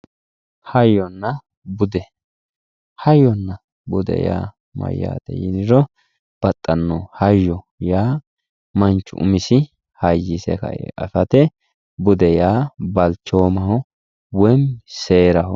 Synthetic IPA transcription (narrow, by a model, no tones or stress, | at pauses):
hɐjɔnːɐ | bʊd̪ɛ | hɐjɔnːɐ | bʊd̪ɛ̰ja̰ː | mɐ̰jːa̰ːd̪ɛ̰jɪ̰nɪɾɔ | b̥ɐt̪ʼːɐnːɔhɐjːɔ | jaː | mɐnt͡ʃːʊ̰ʔʊmɪsɪ | hɐjːɪsɛ̰kɐ̰jɛ̰ʔɐsɐt̪ɛ | bʊd̪ɛjaːbɐlt͡ʃːoːmɐhɔ | wɛmseːɾɐhɔ